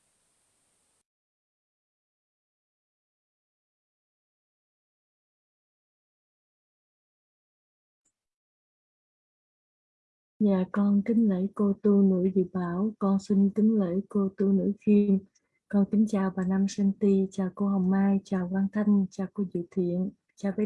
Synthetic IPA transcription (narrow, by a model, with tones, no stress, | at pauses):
ɲa̰ː˧˨kɔ˧nk̪ï˨˦ŋ̟lə̰˧˥˦jko˧t̪u˧nɨ̰˧˥əjzɨ̰˧˨ɓaː˧˩˦wkɔ˧nsi˧ŋt̪ï˨˦ŋ̟lə̰˧˥jko˧t̪u˧nɨ̰˧˥xi˧m | kɔ˧nkï˨˦ŋ̟t͡ɕaː˨˩wvaː˨˩na˧msə˧ŋt̪i˧t͡ɕaː˨˩wko˧ɦɔ˨˩wk͡p̚maː˧jt͡ɕaː˨˩wkwaː˧nt̪ʰa˧jŋ̟t͡ɕaː˧˩ku˧˩zḭ˧˨t̪ʰwḭ˧˨ən | t͡ɕaː˧və˨˧˦